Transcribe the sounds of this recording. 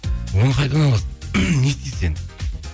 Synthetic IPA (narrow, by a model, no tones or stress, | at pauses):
wonəqʰɑjt̪ɑnɑlˠɑsnest̪ijsen